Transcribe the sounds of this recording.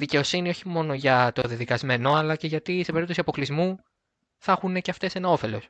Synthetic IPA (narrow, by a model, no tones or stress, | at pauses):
ðice̞o̞sinio̞çimo̞no̞ʝɐt̪o̞ðiɐðikɐzme̞no̞ɐlɐce̞ʝɐt̪ise̞peɾip̚t̪osiɐpo̞klizmu | θɐxune̞ceɐft̪e̞senɐo̞fe̞lo̞s